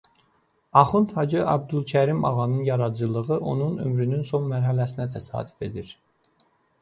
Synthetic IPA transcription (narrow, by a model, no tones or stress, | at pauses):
ɑχɯnt̪hɑd͡ʒɯʔɑ̰b̚d̪ulˠcʰæɾimɑ̰ʁɑnɯnjɑɾɑd͡ʒɯlˠɯʁɯʔo̞nunø̰mɾynynso̞nmæɾɦælæsinæt̪ʰæsɑ̰ːd̪y̥fe̞d̪iɾ